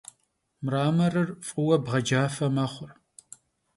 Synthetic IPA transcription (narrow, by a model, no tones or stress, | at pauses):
mraːmɐrɨrfʼiwɐbʁɐd͡ʒaːfɐmɐχʷʊr